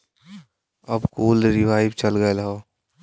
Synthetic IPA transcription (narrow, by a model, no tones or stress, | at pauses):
əbkuːlɾɪʋaːɪbt͡ʃəlɡəelɦoː